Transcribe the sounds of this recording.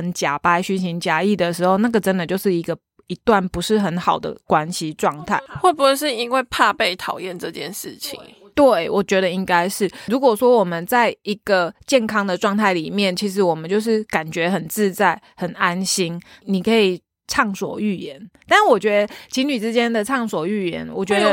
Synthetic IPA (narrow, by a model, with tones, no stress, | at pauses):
ə˧˦nt͡ɕja˨˩pa˧˥ɪɕy˥nɕi˧˥ŋt͡ɕja˧i˥˩d̪ə˨ʂɻ̩˧˥xo˥˧ʊna˥˩ɡə˨˩ʈ͡ʂə˦˥nd̪ə˨t͡ɕjo˥˧ʊʂɻ̩˥˩i˧˥ɡə˧ | i˧˥t̪wa˥˩npu˧˦ʂɻ̩˥˩xə˧˥nxɑ˨˩ʊd̪ə̰˦kwa˦nɕi˧ʈ͡ʂwɑ˥˧ŋt̪ʰa˥˩ɪxwɔ˥˩bu˨˩ʂɻ̩˥˩i˥ŋwe˥˧ɪpʰa˥˧pe˥˩ɪt̪ʰɑ˨˩ʊjɛ˥˨nʈ͡ʂɤ˥˧t͡ɕjɛ˥˨nʂɻ̩˥˩t͡ɕʰḭ˨˦ŋ | t̪we˥˨˩ɪwɔ˨˩t͡ɕɥɛ˧˥ɾə˧˨i˦˥ŋka˦ɪʂɻ̩˥˩ɻu˧˥kwɔ˨˩ʂwɔ˥wɔ˨˩mə˨nt͡sa˥˩ɪi˧˥ɡ̥ə˨t͡ɕjɛ˥˨˩nkʰɑ˥ŋd̪ə˨ʈ͡ʂwɑ˥˧ŋt̪ʰa˥˩ɪli˨˩mjɛ˥˩nt͡ɕʰi˧˥ʂ̬ɻ̩˧˥wɔ˨˩mə˨˦nt͡ɕjo˥˧ʊʂ̬ɻ̩˥˩ka˨˩nt͡ɕɥɛ˧˥xə˨˩nt͡sɹ̩˥˧t͡sa˥˩ɪxə˨˩na˦nɕi˥nni˨˩kʰə˧˥i˨˩ | ʈ͡ʂʰɑ˥˩ŋswɔ̰˨˩y˥˩jɛ˧˦nt̪a˥˩˥wɔ˨˩t͡ɕɥɛ˧˥d̪ə˧˦t͡ɕʰi˧˥ŋny˨˩ʈ͡ʂɻ̩˦t͡ɕjɛ˥nd̪ə˨ʈ͡ʂʰɑ˥˩ŋswɔ˨˩y˥˩jɛ̰˧˥nwɔ˨˩t͡ɕɥɛ˧˦˥d̪ə˧